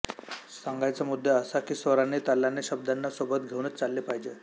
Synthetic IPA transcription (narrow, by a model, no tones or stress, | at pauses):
saŋɡajt͡samud̪ʱːeəsakiːsʋəɾanet̪alːanːeɕəb̚d̪anːasobət̪ɡʱeʋnət̪t͡salːepaɦid͡ʑe